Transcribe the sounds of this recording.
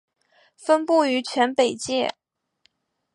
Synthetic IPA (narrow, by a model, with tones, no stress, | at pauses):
fə˥npu˥˩y˧˥t͡ɕʰɥɛ˧˥npe˨˩ɪt͡ɕjɛ˥˩